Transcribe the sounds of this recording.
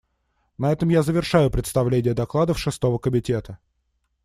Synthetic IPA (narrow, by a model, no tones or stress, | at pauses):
nɐɛt̪əmjazəvʲɪrʂajʊpɾʲɪt̪st̪ɐvlʲenʲɪjəd̪ɐklˠad̪əfʂɨst̪o̞vəkəmʲɪtʲe̞t̪ə